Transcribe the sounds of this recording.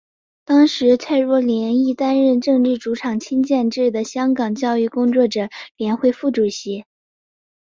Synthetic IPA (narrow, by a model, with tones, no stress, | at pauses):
t̪ɑ˥ŋʂɻ̩˧˥t͡sʰa˥˧ɪɻwɔ˥˩ljɛ˧˥ni˥˩t̪a˥nɻə˥˧nʈ͡ʂɤ˥˧ŋlɻ̩˥˩ʈ͡ʂu˧˥ʈ͡ʂʰɑ˨˩ŋt͡ɕʰi˥ŋt͡ɕjɛ˥˧nʈ͡ʂɻ̩˥˩d̪ə˩ɕjɑ˥ŋkɑ˨˩ŋt͡ɕjɑ˥˧ʊy˥˩kʊ˥ŋt͡swɔ˥˩ʈ͡ʂɤ˨˩ljɛ˧˥nxwe˥˧ɪfu˥˩ʈ͡ʂu˨˩ɕi˧˥